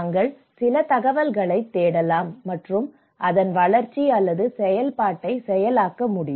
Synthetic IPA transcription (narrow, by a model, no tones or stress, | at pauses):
ŋɡɐɭ | sɪlɐt̪ɐɣɐʋɐlɣɐɭɐɪt̪ːeːɽɐlaːmːɐʈrɯm | ʔɐðɐnʋɐɭɐɾt͡ʃːiɐlːɐðɯsɛjɐlpaːʈːɐɪsɛjɐlaːkːɐmʊɽɪ